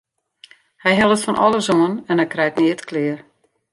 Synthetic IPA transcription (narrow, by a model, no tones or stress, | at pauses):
hɛjɦɛlˠətfɔnʔɔ̰lˠəzoənɛnhɛjkrɛjtnɪətkʰlɪər